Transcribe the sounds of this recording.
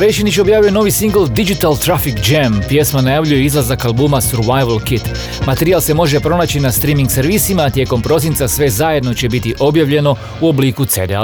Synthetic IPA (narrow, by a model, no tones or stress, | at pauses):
ɾejʃinit͡ʃobjaːʋjujeno̞ʋisiŋɡl̩d̪id͡ʒit̪alt̪ɾafikd͡ʒempje̞smanajaʋʎujeizlˠazakalˠbuːmasuɾʋajʋlkit̪ | mat̪eɾijalˠse̞mo̞ʒe̞pɾo̞naːt͡ɕinast̪ɾimiŋɡseɾʋisimaːt̪je̞ko̞mpɾo̞s̬int̪sasʋe̞zajed̪no̞t͡ɕe̞bit̪iʔo̞bjaʋʎe̞no̞ | uo̞bliːkut̪sed̪ea̰